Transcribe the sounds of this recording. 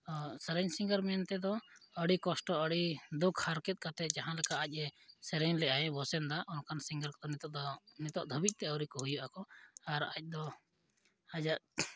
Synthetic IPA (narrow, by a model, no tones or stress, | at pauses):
sɛɾɛɲsiŋɡəɾmɛnt̪ɛd̪ɔəɽikɔsʈɔəɽid̪ukʰhaɾkɛt̪̚ˀkat̪ɛd͡ʒaɦãlɛkaʔac̚ˀɛsɛɾɛɲlɛʔajɛbɔsɛnd̪aʔɔnkansiŋɡəɾkɔd̪ɔnit̪ɔnit̪ɔʔd̪ʱɔbic̚ˀt̪ɛəwɾikɔɦujɔʔakɔaɾa̰c̚ˀd̪ɔ | ad͡ʒaʔ